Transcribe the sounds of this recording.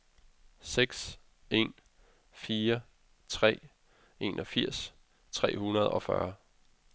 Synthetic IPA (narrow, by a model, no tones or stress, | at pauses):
seɡ̥s | e̝n | fiːɐ | t͡sʰʁɛ̰ː | e̝̰nʔɒ̽fiɐ̰s | t͡sʰʁɛ̰ːhunɐð̞ˠɒ̽fɶ̰ɐ